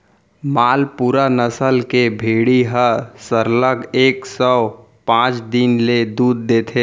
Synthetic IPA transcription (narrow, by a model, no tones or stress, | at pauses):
maːlpuːɾanəsəlkebʱeːɽiɦəsəɾləɡeːksə | pãːt͡ʃd̪inled̪uːd̪̚ːeːt̪ʰeː